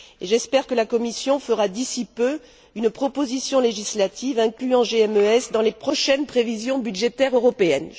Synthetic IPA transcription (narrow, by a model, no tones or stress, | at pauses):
eʒɛspɛʁkəlakɔmisjɔ̃fəʁad̪isipø | ynpχɔpozisjɔ̃leʒislat̪ʰivɛ̃klyɑ̃ʒeɛmøɛsd̪ɑ̃lepχɔʃɛnpχevizjɔ̃byd̪ʒet̪ɛʁøʁɔpeɛn